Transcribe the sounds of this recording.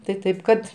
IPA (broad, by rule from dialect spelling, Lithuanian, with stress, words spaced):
tɐɪ ˈtɐɪp kɐt